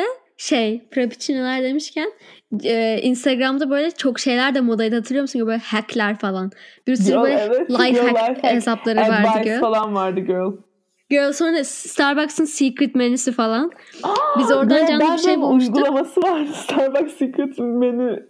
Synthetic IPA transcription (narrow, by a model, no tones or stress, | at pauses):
ɛ | ʃejpɾopʰi̥t͡ʃʰinilʲˠaɾd̪e̞miʃcʰænɛːʔinst̪ʰaɡɾamd̪abø̞jlʲɛt͡ʃʰo̞kʃe̞jlʲæɾd̪ɛmo̞d̪ajʲd̪ahat̪ɯɾˠɯjomsunbølʲɛhæklʲæɾfalˠanbiɾisyɾbøjlɛɛvɛlˠajfɛfhesaplˠaɾɯvaɾd̪ɯdɡøfalˠanvaɾd̪ɯɟøl | ɟølʲˠsonst̪ʰaɾbaksɯnsikɾit̪menysifalˠan | abizo̞ɾd̪and͡ʒanˠɯiʃejbulumuʃtɡulˠamasɯvaɾd̪ɯst̪ʰaɾbaksikɾit̪meny